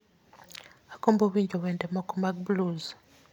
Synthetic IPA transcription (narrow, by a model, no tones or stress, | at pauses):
akoːmboβiːɲɟoβendemakumak̚bluz